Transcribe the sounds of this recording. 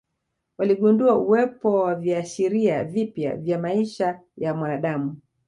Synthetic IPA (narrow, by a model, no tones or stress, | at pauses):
waliɠunduauwɛpɔwaviaʃiɾiavipja̰vjamaiʃajamwanaɗamu